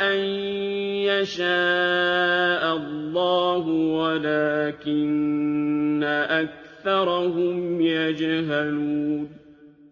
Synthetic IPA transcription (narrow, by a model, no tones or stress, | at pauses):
ʔan | jaʃaː | ʔalːɑːhʊwalaːkɪnː | aʔak̚θɑɾˤɑhʊmjad͡ʒɦaluːn